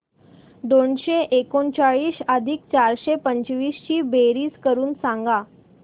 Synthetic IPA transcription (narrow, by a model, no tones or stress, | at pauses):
d̪oɳɕeʔekont͡ɕaɭiːsəd̪ʱiːk̚t͡ɕaɾɕepəɲt͡ɕʋiːst͡ɕiːbeɾiːskəɾuːnsãŋɡa